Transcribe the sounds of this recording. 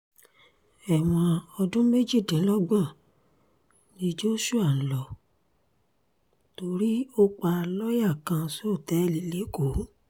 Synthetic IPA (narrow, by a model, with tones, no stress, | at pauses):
ɛ˨w̃ɔ̃˧ɔ˧dũ˦me˦d͡ʒi˦˨dĩ˨˦lɔ˦ɡ͡bã˦˨ | nĩ˨˦d͡ʒo˦ʃu˦a˦˨n̩˨lɔ˨ | to˧ɾi˦o˦k͡pa˧lɔ˦ja˦˨kã˧so˦o˦˨tɛ˨˦˧li˨˦le˨˦ko˨˦